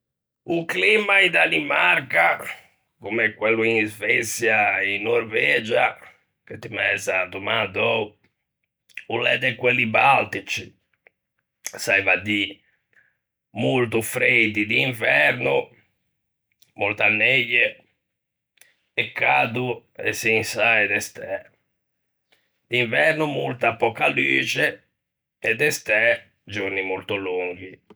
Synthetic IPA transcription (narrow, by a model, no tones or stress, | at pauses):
uklimaid̪animaɾka | kumɛkːwelːuinzvɛt̪sjainːoɾvɛːd͡ʒa | ket̪ːimɛzat̪umad̪ɔu | ulɛd̪ɛkwelːibalt̪it͡ʃi | saivad̪i | mult̪ufɾejd̪id̪iːɱvɛɾnu | molt̪anːejːɛ | ɛkːaːd̪uɛ̰sinsajd̪ɛst̪ɛ | d̪̥iɱvɛɾnumult̪apɔkːalyːt͡ʃɛ | ɛd̪ːɛst̪ɛ | d͡ʒoɾnimolt̪ɔluŋɡ̟i